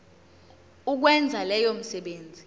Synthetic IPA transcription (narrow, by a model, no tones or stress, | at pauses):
uk̬wɛnd͡zʱalɛjom̩sɛɓeːnd͡zʱi